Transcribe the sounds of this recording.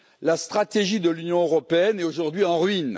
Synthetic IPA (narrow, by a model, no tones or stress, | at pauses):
last̪χat̪eʒid̪əlynjɔ̃øʁɔpeɛnɛoʒuʁd̪ɥiɑ̃ʁɥin